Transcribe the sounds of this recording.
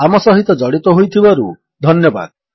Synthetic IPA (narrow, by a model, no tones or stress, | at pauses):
amɔsɔɦit̪ɔd͡ʒɔɽit̪ɔɦojt̪ʰibaɾu | d̪ʱɔnjɔba̰d̪